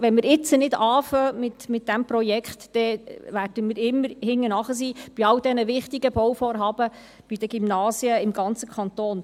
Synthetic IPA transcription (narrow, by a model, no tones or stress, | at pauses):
ʋɛnmɪɾɪt͡sənɪd̥̪ɑːfœmɪt̪mɪt̚d̥æmpɾɔjɛkχtːɛvæːrd̥əmiːɾɪmːəɾhɪŋːənɑχəs̬iːb̥iɑld̪ɛnəʋɪχt̪iɡəb̥ɔwfɔːɾɦɑːb̥ə | b̥id̥̪əɡ̥imnɑːsiəɪmɡɑnt͡səkʰɑnt̪oːn